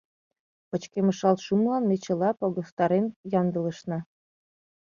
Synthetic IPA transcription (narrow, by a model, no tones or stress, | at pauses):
pə̆t͡ɕkeməʃɑlt̪ʃumlɑnːet͡ɕə̆lɑpoɣost̪ɑɾenjɑnd̪ələ̆ʃnɑ